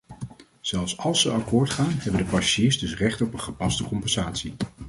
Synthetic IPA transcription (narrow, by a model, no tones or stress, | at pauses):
z̥ɛlˠfsɑlˠsəʔɑkʊːɹtχaːnɦɛbəndəpɑsiːɹsdɵsrɛχtɔpənχəpɑstəkɔmpɛnz̥aːtsi